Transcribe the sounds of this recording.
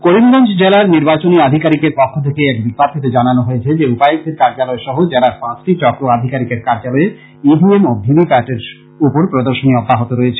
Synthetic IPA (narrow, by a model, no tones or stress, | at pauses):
koɾimɡɔnt͡ɕʰd͡ʑelaɾniɾbat͡ɕoniad̪ʱikaɾikeɾpɔkʰːot̪ʰekeɛkbikːaɾk̪ʰet̪ed͡ʑananoɦoet͡ɕʰed͡ʑeupajiseɾkaɾd͡ʑalɔeʃɔɦod͡ʑeɾaɾpãt͡ɕʈit͡ɕɔkɾoad̪ʱikaɾikeɾkaɾd͡ʑalɔe | ibʱiemobʱibipaʈeɾ | upoɾpɾod̪oɾʃoniɔbːaɦot̪oɾɔet͡ɕʰe